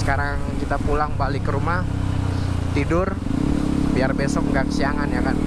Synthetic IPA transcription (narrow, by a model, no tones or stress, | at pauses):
sə̥kaɾaŋkit̪apulaŋbalɪkːəɾumah | t̪idʊr | biarbesɔk̚ŋɡakə̥siaŋanjakan